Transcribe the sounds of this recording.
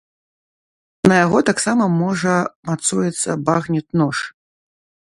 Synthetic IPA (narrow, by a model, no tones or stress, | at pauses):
nɐjaɣɔt̪aksamɐmɔʐɐmat̪sujɛt̪sːɐ̰baɣnʲit̪̚nɔʂ